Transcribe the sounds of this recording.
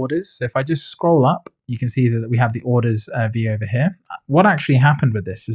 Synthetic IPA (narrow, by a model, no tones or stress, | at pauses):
ɾəz̥soʊɨfaɪd͡ʒʌstskɹ̥oʊlˠʌp | jɨkʰɨ̃nsiðəʔ̚wiəvðiʔɔɹɾə˞zʌvjʉoʊvəɦiɹwʌɾak̚t͡ʃʉl̩ˠiɦapə̃n̩d̚wɨðɪsɨz